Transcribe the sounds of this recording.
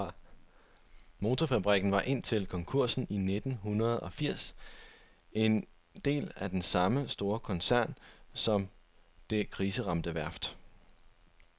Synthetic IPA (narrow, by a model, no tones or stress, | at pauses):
mo̝ːt͡sʰɒfæb̥ʁiɡ̥n̩ʋɑ̈ʔe̝n̰t͡sʰe̝lkʰɒ̽ŋkʰuɐ̰sn̩ine̝d̥n̩ɦunɐð̞̩ˠɒ̽fiɐ̰s | e̝n | d̥e̝̰ːlæd̥ensɑ̈məsd̥o̝ːɐkʰɒ̽nsæɐ̰nsɒ̽m | d̥e̝kʰʁiːsəʁɑ̈md̥əʋæɐ̰fd̥